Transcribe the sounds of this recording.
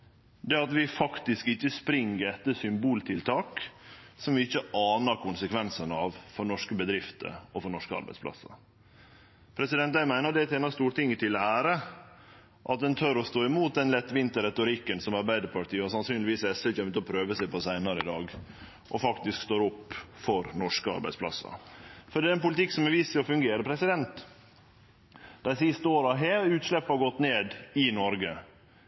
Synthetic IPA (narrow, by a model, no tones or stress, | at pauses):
d̪ɛɑt̪ʋɪfɑkt̪ɪskɪçːəspɾɪŋːəɾɛt̪ːəsʏmbuːlt̪ʰɪlt̪ʰɑːk | sɔmʋɪɪçːəʔɑːnəɾkʰʊnsəkʰʋɛnsənɑʋfɔɾɳɔʂkəbəd̪ɾɪft̪ə̰ɔfɔɾɳɔʂkəɑ̰ɾbæɪsplɑ̰sːə̰ | pʰɾɛsɪd̪ɛnt̪̚æɪmæɪnəd̪ɛɛt̪eːnɑst̪uːɾʈɪŋːət̪ʰɪlæːɾə | ʔɑt̪̚d̪ɛnt̪ʰœɾɔst̪oːɪmuːt̪̚d̪ɛnlɛt̪ːʋɪnt̪əɾɛt̪ʊɾɪkːənsɔmɑɾbæɪd̪əɾpʰɑʈʰiːɑɾsɑnsyːnlɪʋiːsɛsəçɛmt̪ɔpʰɾøːʋəsæɪpʰɔsæɪnɑɾəɪd̪ɑːɡ | ʔɔfɑkt̪ɪskst̪oːɾɔpːfɔɾnɔʂkəɑ̰ɾbæ̰ɪspʰlɑ̰sːɑ̰fɔɖiːɾɛnpʊlɪt̪ʰɪkːsɔmɛʋiːsəɔfʉŋɡeːɾəpʰɾɛsɪd̪ɛnt̪ | d̪̥æɪsɪst̪əoːɾɑɦeːʉːt̪ʂlɛpːəhɑɾɡɔt̪ːneːd̪ɪnɔɾɡə